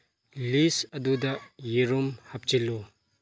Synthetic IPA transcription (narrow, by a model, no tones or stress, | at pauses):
lisɐdudɐjiɾumhap̚t͡ʃilu